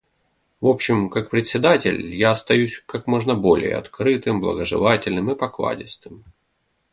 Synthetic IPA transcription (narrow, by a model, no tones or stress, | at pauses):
vo̞pɕːɪmkak̚pɾʲɪt̪ʲsʲːɪd̪atʲɪ̰lʲjaɐst̪ɐjusʲkakmo̞ʐnəbo̞lʲɪ̰jə̰ɐ̰t̪kɾɨt̪ɨmblˠə̰ɡəʐɨ̰lˠatʲɪlʲnɨmɨpɐklˠa̰dʲɪst̪ɨm